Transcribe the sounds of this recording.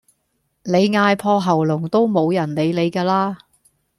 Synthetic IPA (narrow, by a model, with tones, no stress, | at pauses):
le˨˧jŋaː˧jpʰɔː˧ɦɐ˨˩wlʊ˨˩ŋt̪o˥wmo˨˧wjɐ˨˩nle˨˧jle˨˧jkaː˧laː˥